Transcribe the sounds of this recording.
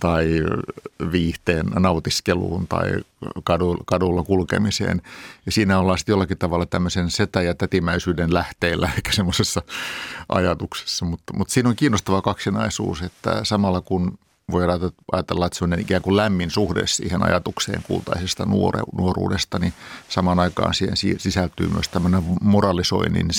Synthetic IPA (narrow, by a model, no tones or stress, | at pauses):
t̪ɑi | ʋiːht̪eːnnɑut̪iskelṵːnt̪ɑ̰ḭkɑdukɑdulːɑkulkḛmisḛːnjɑsiːnæolːɑːsi̥t̪jolːɑkit̪ɑʋɑlːˑɑt̪æmːøsenset̪æjɑt̪æt̪imæisyːdenlæht̪eːlːæekːæ̥semːosesːɑʔɑ̰jɑt̪ukse̥sːɑmut̪ːmut̪siːnoŋkiːnːost̪ɑʋɑkɑksinɑisṵːset̪ːæ̰sɑmɑlːˑɑkun | ʋoiɑɑʔɑ̰jɑt̪elːɑet̪semːŏnenikæːŋkullæmːinsuhdḛssḭːhenɑ̰jɑt̪uksḛːŋkṵːlt̪ɑ̰isest̪ɑnuoḛnuorṵːdest̪ɑnisɑmɑnɑikɑ̰ːnsiːhḛnsiːsisælt̪y̰ːmy̰øst̪æmːøneʋmorɑlˑiso̰inḭn